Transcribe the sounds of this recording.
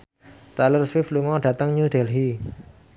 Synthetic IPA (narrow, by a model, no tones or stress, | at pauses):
t̪alərswɪfluŋɔɖ̥ä̤t̪əŋɲud̪ɛ̤lɦi